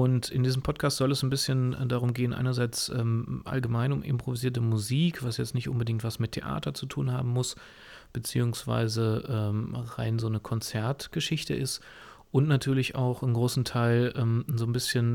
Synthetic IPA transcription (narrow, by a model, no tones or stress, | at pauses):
ʔʊntɪndiːzəmpʰɔt̚kʰaːstz̥ɔlɛsznbɪsçən̰ːdaːʁ̞ʊmɡeːənʔa̰ɪnɐzaɪt͡sʔɛ̰ːmʔa̰lɡəmaɪnʊmʔɪ̰mpʁ̥oviziːɐtəmuziːkv̥asjɛt͡stnɪçtʔʊnbədɪŋk̚tv̥asmɪtʰeʔa̰ːtɐt͡sutʰuːnha̰ːbm̩mʊs | b̥ət͡sḭːʊŋsv̥a̰ɪzəʔɛːmʁa̰ɪnzoːnəkʰɔnt͡sɛɐtɡ̥əʃɪçtə̰ʔɪst | ʔʊntnatʰyːɐlɪçʔa̰ʊxɪnɡʁoːsn̩tʰaɪlʔɛːmzoːnbɪsçən